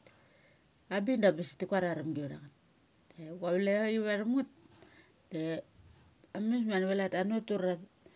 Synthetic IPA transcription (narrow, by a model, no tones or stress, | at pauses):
abindabasi̥tikuaɾaɾamɡiɾa̰ŋat̚ː | eɡaβleiβaɾamut̚ | te | amis̬manβelatanutuɾa